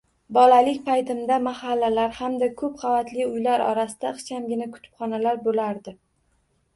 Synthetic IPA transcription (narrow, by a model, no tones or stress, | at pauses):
bɒlalɪkʲpʰajt̪ʰɪmd̪amahalːalaɾhamd̪akʰɵp̚qʰɑvat̪lɪʊjlaɾɒ̰ɾasɪd̪̥aɨχt͡ʃʰamɡʲɪnakʰʊ̥t̪ʰɪ̥pχɒnalaɾbolaɾd̪ɪ